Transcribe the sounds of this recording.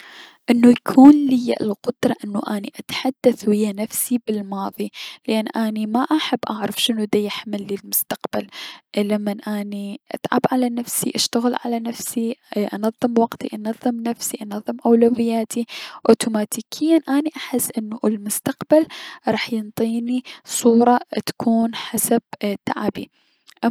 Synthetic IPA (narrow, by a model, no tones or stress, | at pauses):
ʔɪnːujakʰuːnlɪjːa̰ʔlqʊd̪̥ɾˤɑʔɪnːuʔaːniʔat̪ħad̪ːaθwɪjːanafsibɪlmɑːðˤilɪʔanːʔaːnimaʔaħabːʔaʕɾˤɑfʃɪnud̪ajaħmɪlːilmʊst̪aqbalʔlamːanʔaːniʔa̰t̪ˤʕa̰bʕalanafsiʔaʃt̪aɣɪlʕa̰lanafsiʔɑnɑðˤːɨmwɑɡt̪ḭʔɑnɑðˤːɨmnafsiʔɑnɑðˤːɨmʔawlawɪjːaːt̪ʰiʔoːt̪uːmaːt̪iːkʰɪjːanʔaːniʔaħɪsːʔɪnːuʔlmʊst̪aqbalɾˤɑːħjɪnt̪ˤiːnisˤuːɾˤɑt̪ḁkuːnħasab̥̚t̪aʕabḭ | ʔa